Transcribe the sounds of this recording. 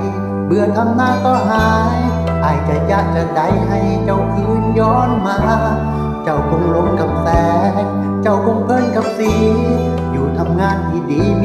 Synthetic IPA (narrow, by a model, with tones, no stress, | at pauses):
bɯ˧˩ət̪ʰa˧˥˨mnaː˧˥˩t̪ɔː˧˩ɦaː˧˦j | ʔaː˧˩jt͡ɕa˧˩ja˧˩k̚t͡ɕa˧˩da˨˧˦jɦa˧˩jt͡ɕa˧˩wkʰɯː˧˥˦njɔː˧˥˩nmaː˧˥ | t͡ɕa˧˩wkʰo˧˥˩ŋlo˧˥˦ŋka˨˧˩m̚tɛː˧k̚ | t͡ɕa˧˩wkʰo˧˥˩ŋpʰɤ˧˥˨nka˧˦p̚siː˧˩ | juː˨˩t̪ʰa˧mŋaː˧˥˨nt̪ʰi˧˩diː˨˦